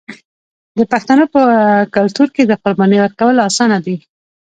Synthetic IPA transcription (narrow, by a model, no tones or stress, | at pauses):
d̪əpaxt̪anopəkalt̪uɾked̪əqʊɾbɑnewəɾkawəlɑsɑnad̪i